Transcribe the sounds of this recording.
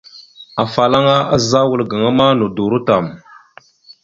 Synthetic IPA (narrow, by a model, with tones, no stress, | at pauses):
a˨fa˨la˦ŋa˦a˦˨za˦wu˨lɡa˨ŋa˦ma˦nu˨du˨ɾu˦ta˨m